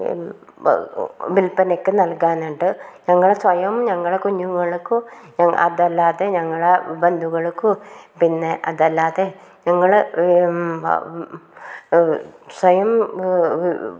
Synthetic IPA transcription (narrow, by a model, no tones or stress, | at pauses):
ʋilpɐnekːɨnɐlkaːnuɳɖɨɲɐŋːɐɭesʋɐjɐmɲɐŋːɐɭekuɲːuŋːɐɭkːuɲɐɐ̰ðɐlːaːðeɲɐŋːɐɭebɐnd̪ʱuɣɐɭkːupinːe̞ʔɐðɐlːaːðe | ɲɐŋːɐɭ | sʋɐjɐm